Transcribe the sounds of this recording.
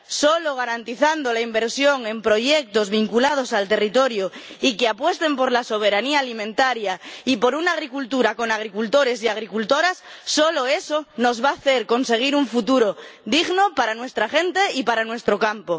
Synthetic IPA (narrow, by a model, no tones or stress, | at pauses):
soloɣ̞aɾant̪iθand̪olaimbeɾsjoŋẽ̞mpɾoʝek̚t̪ozβiŋkulað̞osalt̪erit̪oɾjoikeapwe̞st̪empoɾlaso̞β̞eɾaniaːlimẽnt̪aɾjaipo̞ɾunaɣ̞ɾikult̪uɾako̞naɣ̞ɾikult̪oɾesiaɣ̞ɾikult̪oɾasːoloesonozβaθeɾko̞nse̞ɣ̞iɾuɱfut̪uɾoðiɣnopaɾanwe̞st̪ɾaxe̞nt̪eipaɾanwe̞st̪ɾokampo